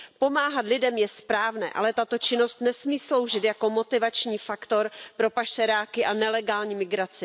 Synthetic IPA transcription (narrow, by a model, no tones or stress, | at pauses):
po̞maːɦat̪lɪdɛmjɛspɾaːvnɛ̰ːʔa̰lɛt̪at̪o̞t͡ʃɪno̞st̪nɛsmiːslo̞wʒɪt̪jako̞mo̞t̪ɪvat͡ʃɲiːfakt̪o̞ɾpɾo̞paʃɛɾaːkɪʔanɛlɛɡaːlɲiːmɪɡɾat͡sɪ